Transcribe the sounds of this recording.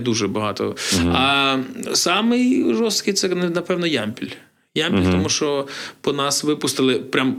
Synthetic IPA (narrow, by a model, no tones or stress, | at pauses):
d̪uʒɛbɐɦɑt̪ɔ̰ɐ | sɑmɪjʒɔst̪kɪjt̪sɛnɐpɛwnɔjamʲpʲilʲ | jamʲpʲilʲt̪ɔmuʃt͡ʃɔpɔnɑsʋɪpʊst̪ɪlˠɪpɾʲam